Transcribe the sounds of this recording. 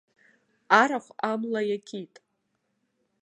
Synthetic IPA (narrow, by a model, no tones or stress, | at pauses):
aɾaχʷamlajakʲʰitʼ